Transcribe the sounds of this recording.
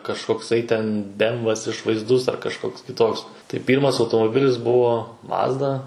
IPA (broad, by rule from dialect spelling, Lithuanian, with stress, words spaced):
kɐʃkoːkˈsɐɪ tʲɛn ˈbʲɛmʋɐs ɪʃʋɐɪzˈdʊs ɐr kɐʃˈkoːks kʲɪˈtoːks tɐɪ ˈpʲiːrmɐs ɐʊtoːmoːˈbʲɪlʲɪs ˈbʊʋoː ˈmɑːzdɐ